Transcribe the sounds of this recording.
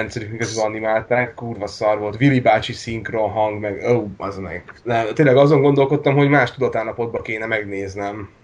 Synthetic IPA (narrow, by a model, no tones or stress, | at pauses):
ɛnt̪sɛɾykmiɡɒzyɒnimaːlt̪aːkːuːrvɒsɒrvo̞lt̪ʋilibaːt͡ʃisiŋkro̞nɦɒŋɡmɛɡowɒznɛ̰ɡnɛmt̪eːnlɛɡɒzo̞ŋɡo̞nd̪o̞lko̞t̪ːɒmɦo̞ɟmaːʃt̪ud̪ɒt̪aːlːɒpo̞d̪̚bɒkeːnɛmɛɡneːznɛm